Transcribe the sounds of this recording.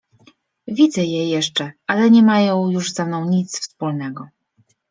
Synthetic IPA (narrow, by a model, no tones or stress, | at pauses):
vʲid̪zɛjɛjɛʂt͡ʂɛalɛɲɛmajɔ̃w̃juʐzɛmnɔ̃w̃ɲit̪sfspulnɛɡɔ